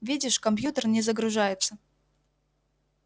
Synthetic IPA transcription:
vʲidʲɪʂkɐmpjut̪ərnʲɪzəɡɾʊʐajɪt̪sə

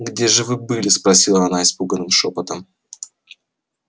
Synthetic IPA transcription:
ɡdʲeʐɨvɨbɨlʲɪspɾɐsʲilˠəɐnaɪspuɡənːɨmʂopət̪əm

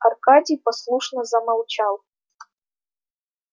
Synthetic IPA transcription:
ɐrkadʲijpɐslˠuʂnəzɐmɐlˠt͡ɕalˠ

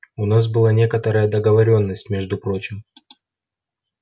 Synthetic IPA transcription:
ʊnas̬bɨlˠanʲe̞kət̪əɾəjəd̪əɡəvɐɾʲo̞nːəsʲtʲmʲe̞ʐd̪ʊpɾo̞t͡ɕɪm

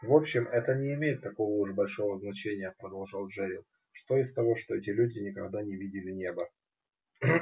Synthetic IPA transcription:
vo̞pɕːɪmɛt̪ənʲɪːmʲejɪt̪ːɐko̞vəuʐbɐlʲʂo̞vəznɐt͡ɕenʲɪjəpɾəd̪ɐlˠʐɑlˠʐɛɾʲɪl | ʂt̪o̞ɪst̪ɐvo̞ʂt̪oɛtʲɪlʲʉdʲɪnʲɪkɐɡd̪anʲɪvʲidʲɪlʲɪnʲe̞bə

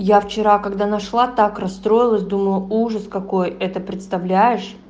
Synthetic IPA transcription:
jaft͡ɕɪɾakɐɡd̪anɐʂlˠat̪akrɐst̪ɾo̞jɪlˠəsʲd̪uməlˠəuʐəskɐko̞jɛt̪əpɾʲɪt̪st̪ɐvlʲæjɪʂ

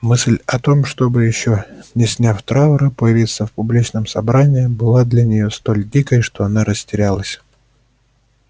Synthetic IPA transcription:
mɨsʲlʲɐt̪o̞mʂt̪o̞bɨjɪɕːo̞nʲɪsʲnʲafʲt̪ɾaʊɾɨpəjɪvʲit̪səfpʊblʲit͡ɕnəmsɐbɾanʲɪɪbɨlˠad̪lʲɐnʲɪjo̞st̪o̞lʲdʲikəjʂt̪o̞ɐn̪aɾəsʲtʲɪɾʲalˠəsʲ

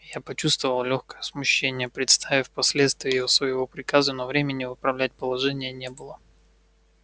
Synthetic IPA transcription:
japɐt͡ɕust̪vəvəlˠlʲoxkə̥jəsmʊɕːenʲɪjəpɾʲɪt̪st̪ʰavʲɪfʲpɐsʲlʲet̪st̪vʲɪəjɪvosvəjɪvo̞pɾʲɪkazɨnovɾʲemʲɪnʲɪvɨpɾɐvlʲæt̚ʲpəlˠɐʐɛnʲɪjənʲebɨlˠə

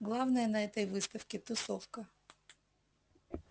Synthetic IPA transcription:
ɡlˠavnəjənɐɛt̪əjvɨst̪əfkʲɪt̪ʊsofkə

